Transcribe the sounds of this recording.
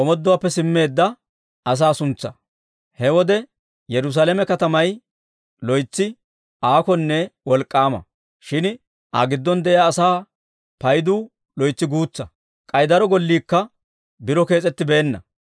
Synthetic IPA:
ʔɔmɔd̪ːɔwaːpːɛsɪmːe̞ːd̪ːɐ | ʔɐs̬aːsʊnt͡sːɐ̰ | hɛwɔd̪ɛ | jɛɾʊs̬aːlɛmɛkɐt̪ɐmɐj | lɔjt͡sːɪ | ʔaːkɔnːɛwɔlkʼːaːmɐ̰ | ʃɪn | ʔɐ̰ɡɪd̪ːɔnd̪ɛʔɪjaːsaː | pɐjd̪uː | lɔjt͡sːɪɡuːt͡sːɐ | kʼɐjd̪ɐɾɔɡɔlːiːkːɐ | bɪɾɔke̞ːt͡sʼɛt̪ːɪbe̞ːnːɐ̰

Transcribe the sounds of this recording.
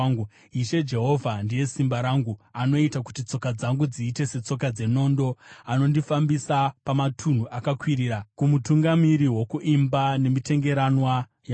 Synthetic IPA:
u | iʃe̞d͡ʒe̞ɦo̞vʱandije̞simbaɾaŋɡuano̞itaku̥tit͡so̞kad͡zaŋɡud͡ziːte̞se̞t͡so̞k̬ad͡ze̞no̞ːndo̞ano̞ndifambisapamatʰun̤uʔakakwiɾiːɾakumutuŋɡamiɾiwo̞kuʔimbane̞mite̞ŋɡe̞ɾanwa | ja

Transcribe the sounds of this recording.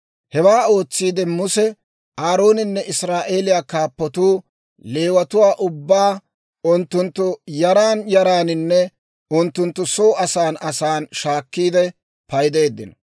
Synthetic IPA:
hɛwaːo̞ːt͡sːiːd̪ɛmʊsɛ | aːɾo̞ːnɪnːɛʔɪsɾaːʔe̞ːlɪjaːkaːpːɔt̪uː | le̞ːwɐt̪ʊwaːʔʊbːaː | ʊnt̪ːʊnt̪ːʊjɐɾaːnjɐɾaːnɪnːɛ | ʊnt̪ːʊnt̪ːʊso̞ːɐsaːnɐsaːnʃaːkːiːd̪ɛ | pɐjd̪e̞ːd̪ːɪnɔ

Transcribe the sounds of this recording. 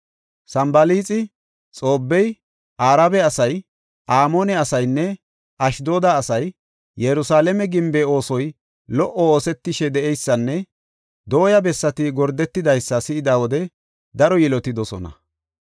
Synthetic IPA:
sɐmbɐliːt͡sʼɪ | t͡sʼo̞ːbːɛj | ʔaːɾabɛɐsɐj | ʔaːmoːnɛɐsɐjnːɛ | ɐʃd̪o̞ːd̪aːsɐj | jɛɾʊsaːlɛmɛɡɪmbɛo̞ːsɔj | lɔʔɔoːsɛt̪ːɪʃɛd̪ɛʔɛjsːɐnːɛ | d̪o̞ːjɐbɛsːɐt̪ɪɡɔɾd̪ɛt̪ːɪd̪ɐjsːɐsɪɪd̪aːwɔd̪ɛ | d̪ɐɾɔjɪlɔt̪ɪd̪ɔsɔ̰nɐ̰

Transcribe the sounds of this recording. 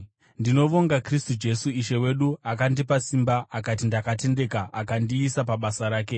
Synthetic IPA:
ndino̞ʋo̞ŋɡakristud͡ʒe̞suiʃe̞we̞ɗuakandipasimbaʔakat̬indakate̞nde̞kaakandiːsapaɓasaɾaːke̞

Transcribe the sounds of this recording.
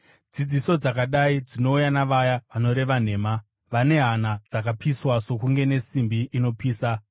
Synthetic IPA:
d͡zid͡ziso̞d͡zakaɗaid͡zino̞ujanaʋajaʋano̞ɾe̞ʋan̤e̞ːma | ʋane̞ɦanad͡zakapʰiswaso̞kuŋɡe̞ne̞simbiino̞piːsa

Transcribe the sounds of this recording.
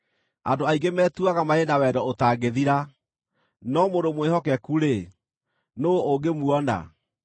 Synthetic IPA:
a̰ndoaiɡemɛːtuaɣamaenawɛdɔotaːɡeðiɾa | nɔmodomwehɔkɛkuɾe | nooɡemuɔna̰

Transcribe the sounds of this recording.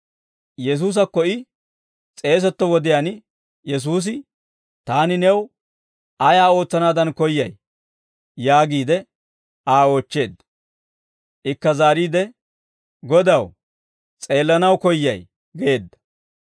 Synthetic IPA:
jɛs̬uːs̬ɐkːɔɪ | t͡sʼe̞ːs̬ɛt̪ːɔwɔd̪ɪjaːn | jɛs̬uːs̬ɪ | t̪aːnɪnɛw | ɐjaːo̞ːt͡sːɐnaːd̪ɐnkɔjːɐj | jaːɡiːd̪ɛ | aːo̞ːt͡ʃːe̞ːd̪ːɐ̥ | ʔɪkːɐzaːɾiːd̪ɛ | ɡɔd̪ɐw | t͡sʼe̞ːlːɐnɐwkɔjːɐj | ɡe̞ːd̪ːɐ̥

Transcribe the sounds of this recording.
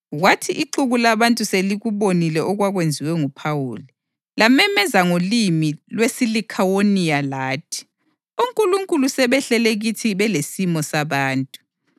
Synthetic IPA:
ɣwatʰiʔiǃuɣulaβantʼuseliɣuβonilɛʔɔɣwaɣwend͡zʱiwɛŋupʰawṵːli | lamɛmɛzaŋolimilwesilikʰawonijalaːtʰi̥ | uŋkʼuluŋkʼulusɛβɛɬɛleɣitʰiβɛlesimɔsaβaːntʼu̥

